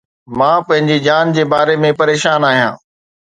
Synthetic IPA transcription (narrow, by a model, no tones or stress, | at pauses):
mãːpɐ̃ɦɪ̃ɲd͡ʑed͡ʑaːnd͡ʑeːbaːɾemẽpɐɾeːʃaːnaːɦijã̰ː